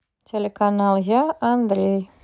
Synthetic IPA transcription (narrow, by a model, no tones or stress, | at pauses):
tʲelʲekanɑlˠɣɑɐnd̪ɾʲej